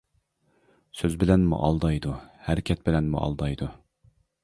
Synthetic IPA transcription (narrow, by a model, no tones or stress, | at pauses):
søzbɪlɛnmṵʔɑlˠd̪ɑjd̪uhɛɾɪkʲʰɛt̪̚bɪlɛnmṵʔɑ̰lˠd̪ɑjd̪u